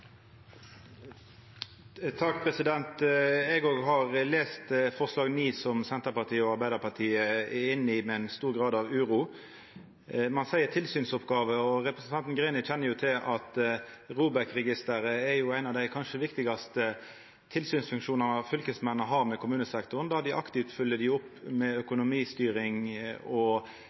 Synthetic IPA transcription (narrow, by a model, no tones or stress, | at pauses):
t̪ʰɑk̚pʰʁɛsɪd̪ɛnt̪ɛɡoːɡɦɑʁleːst̪fɔʁslɑːɡniːsɔmsɛnt̪əʁpɑʁt̪ʰiːəɔɑɾbæɪd̪əpʰɑt̪ʰiːəɪnːɪmɛnst̪uːɾɡʁɑːd̪ɑʋʉːɾuː | mɑnsæɪəʁt̪ʰɪlsyːnsɔpɡɑːʋəɔɾɛpɾsnt̪ɑnt̪n̩ɡɾɛnɪçɛnːəɾjʊt̪ʰɪlʔɑt̪ʁuːbəʁkʁɛɡɪst̪əɾəɛɾjʊæɪnɑʋd̪æɪkʰɑnʂəʋɪkt̪ɪɡɑst̪ə | t̪ʰɪlsyːnsfʉŋkʂuːnɑnɑʋfʏlkəsmɛnːəɦɑɾmɛkʰʊmʉːnəsɛkt̪ʊʁənd̪ɑd̪ɪʔɑkt̪ɪft̪fʏlːəd̪ɪʊpːmɛœkʊnʊmiːst̪yːɾɪŋɔ